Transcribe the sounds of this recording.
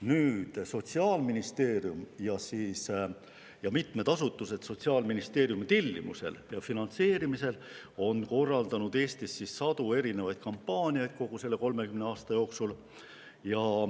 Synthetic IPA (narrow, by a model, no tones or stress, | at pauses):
nyːd̪̥so̞t̪ʲsiɑːlminist̪e̞ːɾjumjɑsiːs | jɑmit̪me̞d̪ɑsut̪ːˑuse̞d̪̥so̞t̪siɑːlminist̪e̞ːɾjumit̪elʲːḭmṵse̞̰ljɑfinɑnt̪se̞ːɾimise̞l | o̞nko̞rːɑld̪̥ɑnud̪e̞ːsʲt̪isːissɑd̪̥ue̞ɾine̞vɑjd̪̥̚kɑmpːɑːnʲijɑjd̪̥̚ko̞ɡ̥use̞lːe̞ko̞lme̞kymne̞ɑːst̪ɑjo̞ːksul | jɑ